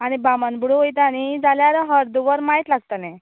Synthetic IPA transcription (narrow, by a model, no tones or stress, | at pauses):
aɽ̃ibamənbuɽuojt̪aɽ̃id͡zaljaɾɦəɾd̪uʋəɾmait̪laɡ̚t̪ana